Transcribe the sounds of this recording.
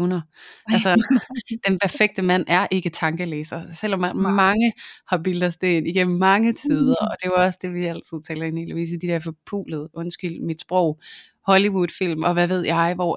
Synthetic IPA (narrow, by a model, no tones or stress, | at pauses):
ʊnɐælsəd̥enpʰæɐfeɡ̥̚d̥əmæn̰æɐʔe̝ɡ̥ət͡sʰɑ̈ŋɡ̥əleːsɐsel̰ɒ̽mːænmɑ̈ŋəhɑ̈b̥ild̥ɐsd̥e̝eniɡ̥em̰m̩mɑ̈ŋət͡sʰiðˠɐɒ̽d̥e̝ɑɒ̽səd̥e̝ʋiæl̰t͡sʰɨð̰ˠt͡sʰɛːld̩ˠenḛːləʋḭːs̬əd̥id̥ɛɐfɒ̽pʰṵːlð̞̩ˠʔɔ̽nsɡ̥yl̰d̥mid̥sb̥ʁɔʊ̰ | hɒ̽liʋud̥fil̰mɒ̽ʋæʋe̝ð̞̰ˠjɑ̈ɪʋɒ̰